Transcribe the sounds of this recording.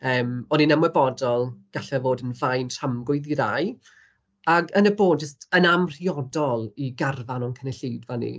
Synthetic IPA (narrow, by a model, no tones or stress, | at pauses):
əːmɔdinəmwɛbɔdɔlˠɡ̥aɬɛvoːdənvajntʰamɡʊɨðiɾaj | aɡənəboːd̚d͡ʒəstənamr̥iɔdɔlˠiɡarvanɔnkʰənɛɬiːdvanḭ